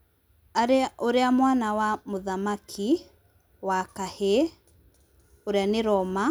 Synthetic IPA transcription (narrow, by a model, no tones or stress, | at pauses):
aɾeʔoɾeamwanawamoðamakʰi | wakahe | oɾeaneɾɔma